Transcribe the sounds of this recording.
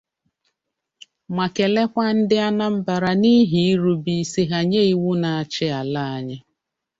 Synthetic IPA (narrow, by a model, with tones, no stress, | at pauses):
mʷa˨ke˨le˦kʷa˦n̩˦dɪ˦a˦na˦m̩˦ba˨ɾa˨ni˦ɦi˨˦i˦ɾu˨bi˨˦˨si˨ɦa˨ɲe˦i˦wu˦na˨a˨t͡ʃɪ˦a˨la˦a˨ɲɪ˦